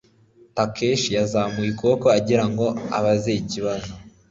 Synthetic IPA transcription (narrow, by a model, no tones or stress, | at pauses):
takʰeʃjazamujikokoaɟiɾaŋɡo̞a̰βazeiciβazo